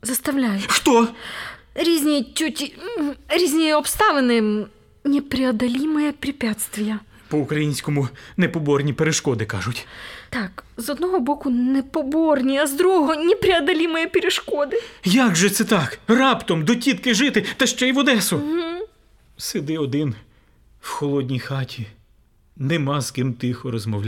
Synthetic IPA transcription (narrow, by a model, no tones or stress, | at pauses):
zɐst̪ɐwlʲajʊxt̪ɔ | ɾʲizʲnʲijt͡ʃʲutʲ | ɾʲizʲnʲijɛɔpst̪ɑʋenɪ | nʲɛpɾʲɪɐd̪ɐlʲimɪjɛpɾʲipʲjat̪st̪ʋʲijɐ | pɔʊkɾɐjinʲsʲkɔmʊnɛpɔbɔrnʲipeɾeʃkɔd̪ɪkɑ̰ʒʊtʲt̪ɑkzɔd̪nɔɦɔbɔkʊnɛpɔbɔrnʲiɐzd̪ɾuɦɔɦɔnʲipɾʲɪɐd̪ɐlʲimɔjɛpʲeɾeʃkɔd̪ɪjaɡʒɛt̪sɛt̪ɑkrɑpt̪ɔmd̪ɔtʲit̪kɪʒɪt̪ɪt̪ɐʃt͡ʃɛjʋɔd̪ɛsʊɦ̩ | sed̪ɪɔd̪ɪn | wxɔlˠɔdʲnʲijxɑtʲi | nemɑskɪmt̪ɪxɔɾɔzmɔwlʲ